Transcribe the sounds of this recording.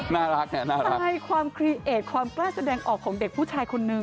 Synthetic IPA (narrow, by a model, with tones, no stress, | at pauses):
naː˥˩ɾa˦˥k̚na˦˥˩naː˥˩ɾa˧˩jkʰwaː˧mkʰɾiː˧˥ʔeː˨˩t̪̚kʰwaː˧mklaː˥˩sa˧dɛː˧ŋʔɔː˨˩kʰːɔː˩˦ŋde˨˩k̚pʰuː˥˩t͡ɕʰaː˧jkʰo˧nːɯ˨˩